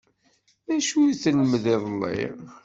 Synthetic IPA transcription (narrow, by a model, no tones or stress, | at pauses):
ðæʃuθləmðiðˤlːḭ